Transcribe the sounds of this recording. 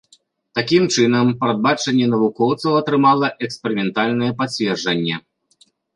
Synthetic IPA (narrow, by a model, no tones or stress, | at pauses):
t̪akʲimt͡ʂɨnɐmpɾɐd̪̚bat͡ʂɐnʲːɛnɐvukɔwt̪sɐwɐt̪ɾɨmalˠɐʔɛkspɛɾɨmʲɛnt̪alʲnɐjɛpat͡sʲvʲɛrd͡ʐɐnʲːɛ